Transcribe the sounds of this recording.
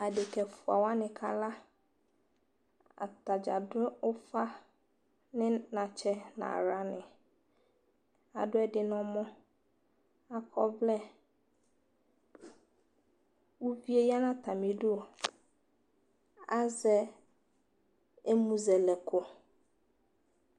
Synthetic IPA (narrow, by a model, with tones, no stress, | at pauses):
a˨dɪ˨kʰɛ˨fʊ˨a̰˨wa˦nɪ̃˨kʰa˦la˦ | a̰˨ta˨d͡ʑa̰˨dʊ˦ʊ˦fa˦ | nɪ̃˦nã˨t͡ʃʰɛ˦nã̰˨ɾa˦nɪ̃˨ | a̰˨dʊ˦ɛ˦dɪ˨nʊ̃˦mɔ̃˦ | a˨kʰɔ˦vlɛ˦ | wu˦vi˦e˦ja˦nã˦t̪ʰa˨mɪ̃˨dʊ˦o˨ | a˦zɛ˦ | e˦mũ˨zɛ˨lɛ˨kʰʊ˨